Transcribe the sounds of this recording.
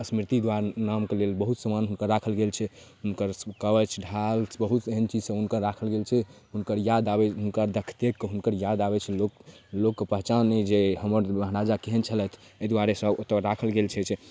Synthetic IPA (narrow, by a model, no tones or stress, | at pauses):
əsmiɾt̪id̪waɾnamkelelbəɦut̪səmanɦunkəɾːakʰəlɡelt͡ʃʰɛ | ɦunkəɾkəbət͡ʃʰɖʱalbəɦut̪eɦənt͡ʃid͡ʒsə̃ɦunkəɾːakʰəlɡelt͡ʃʰɛɦunkəɾjad̪abɛɦunkəɾd̪əkʰt̪ekːeɦunkəɾjad̪abɛt͡ʃʰɛlok | lokːepəɦt͡ʃanːɛd͡ʒehəməɾməɦɾad͡ʒakeɦənt͡ʃʰəlɛt̪ʰəd̪waɾesə̃ot̪ːakʰəlɡelt͡ʃʰɛt͡ʃʰ